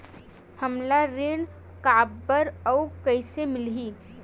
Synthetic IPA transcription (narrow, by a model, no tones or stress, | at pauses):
həmlaɾeːɽ | kaːbːəɾɔʊkɐɪsemɪlɦiː